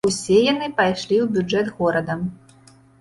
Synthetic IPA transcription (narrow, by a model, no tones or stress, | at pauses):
usʲɛjanɨpajʂlʲiwbʲud͡ʐɛd̪ɣɔɾɐd̪ɐm